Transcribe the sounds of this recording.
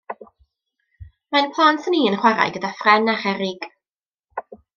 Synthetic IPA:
majnpʰlˠantʰəniːənχwaɾa̰jɡədafrɛnaχɛɾɪɡ̥

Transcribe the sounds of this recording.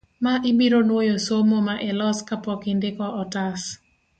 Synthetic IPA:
maʔɪmiɾonwojosomomaʔɛlɔskapɔkɪndɪkɔʔɔtas

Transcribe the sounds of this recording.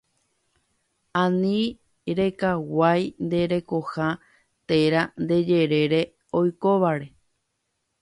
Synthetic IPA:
ãnĩ | ɾe̞kawajnd̪e̞ɾe̞koha | t̪e̞ɾand̪e̞d͡ʒe̞ɾe̞ɾe̞ | ojkoʋaɾe̞

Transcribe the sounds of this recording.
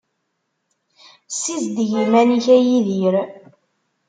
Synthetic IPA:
sizd̪ʝimæniçæjiðiɾ

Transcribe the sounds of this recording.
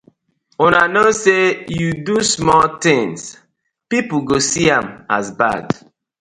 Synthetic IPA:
onanosejudusmɔlt̪ɪ̃ŋs | pipuɡosiãma̰zba̰d

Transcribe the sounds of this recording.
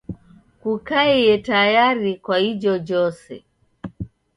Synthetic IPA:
kukaɛɛtajaɾikwahid͡ʒɔd͡ʒɔsɛ̰

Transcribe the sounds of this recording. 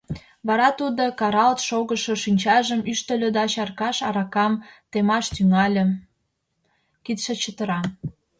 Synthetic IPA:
βɑɾɑt̪ud̪okɑɾɑlt̪ʃoɣəʃoʃinʲt͡ɕɑʒəmyʃt̪ə̆lʲød̪ɑɕɑrkɑʃɑɾɑkɑmt̪emɑʃt̪yŋɑlʲə̆ | kit̪ʃĕt͡ɕət̪ə̆ɾɑ

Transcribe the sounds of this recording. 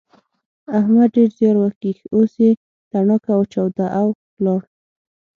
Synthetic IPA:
ahmad̪ɖeɾzjɑɾwakixose | t̪aɳɔkawt͡ʃawd̪aʔawplɑɾ

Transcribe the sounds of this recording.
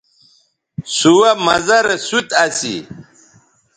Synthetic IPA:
suwamɐzɐɾesut̪ɐsḭ

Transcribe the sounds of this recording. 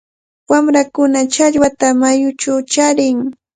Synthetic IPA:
wamɾakʊnat͡ʃaʎwat̪amajʊt͡ʃawt͡ʃaɾɪŋ

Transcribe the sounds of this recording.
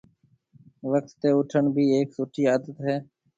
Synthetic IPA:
ʋək̚t̪ːeːʊʈʰəɳbʱiːeːksuːʈʰiːaːd̪ət̪ɦɛː

